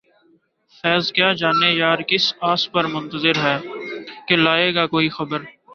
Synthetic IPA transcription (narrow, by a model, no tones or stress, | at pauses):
fɛːzkjaːd͡ʒaːnejaːɾkɪsaːspɐɾmʊ̃nt̪əzɪɾɦɛːkelaːeːɡakoːixɐbəɾ